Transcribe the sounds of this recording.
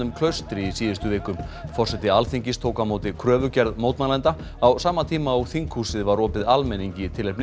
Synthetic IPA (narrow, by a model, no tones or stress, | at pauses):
ʏmkʰlœɥst̪ɾɪisiːðɪst̪ʏvɪːkʏmfɔr̥sɛt̪ɪalθiɲcɪst̪ʰoːwkamoːwt̪ɪkʰɾœːvʏcɛɾðmoːwt̪manlɛnt̪a | awsaːmːat̪ʰiːmaɔɣθiŋkhuːsɪðvaɾɔːpɪðalmɛniɲcɪt̪ʰɪlːɛjpnɪ